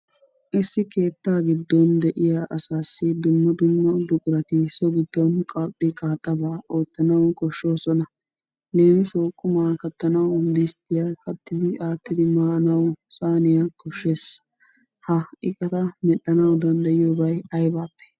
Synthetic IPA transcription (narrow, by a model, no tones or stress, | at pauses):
ʔɪsːɪke̞ːt̪ːaːɡɪd̪ːɔnd̪ɛʔɪjaʔɐsaːsːɪd̪ʊmːɐd̪ʊmːɐd̪ʊkʼʊɾɐt̪ɪsɔɡɪd̪ːɔnkʼɐtʼːɪkʼaːt̪ʼːɐbaːʔo̞ːt̪ːɐnɐwkʼɔʃːo̞ːsɔnɐ | ne̞ːmsoːkʼːʊmaːkɐt̪ːɐnɐwʊmd̪ɪst̪ːɪjakɐt̪ːɪd̪ɪaːt̪ːɪd̪ɪmaːnɐwsaːnɪjɐkɔʃːeːs | hɐɪkʼɐt̪ɐmɛɗɐnɐwd̪ɐnd̪ɐjɪjoːbɐjɐjbaːpːɛ̥